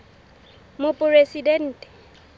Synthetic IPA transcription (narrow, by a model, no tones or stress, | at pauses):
mʊpʼʊresidɛn̩ːtʼɛ̥